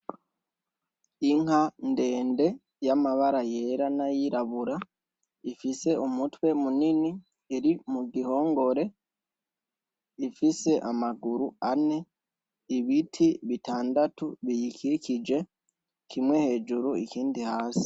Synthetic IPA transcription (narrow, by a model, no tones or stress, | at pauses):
iŋhande̞ːnde̞ | jamaβaɾaje̞ɾanajiɾaβuɾa | ifise̞ʔumutwe̞munini | eɾimuɡiho̞ːŋɡo̞ɾe̞ | ifise̞ʔamaɡuɾuane̞ | iβitʰiβitaːndatuβijikʰikid͡ʒe̞ | kʰimwe̞he̞ːd͡ʒuɾuikiːndihaːsi̥